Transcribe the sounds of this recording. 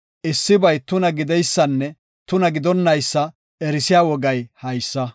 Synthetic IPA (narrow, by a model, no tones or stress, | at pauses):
ʔɪsːɪbɐjt̪ʊnɐɡɪd̪ɛjsːɐnːɛ | t̪ʊnɐɡɪd̪ɔnːɐjsːɐ | ɛɾɪsɪjaːwɔɡɐjhɐjsːɐ